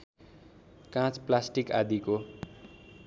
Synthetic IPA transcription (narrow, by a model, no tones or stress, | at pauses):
kãt͡splasʈikad̪iko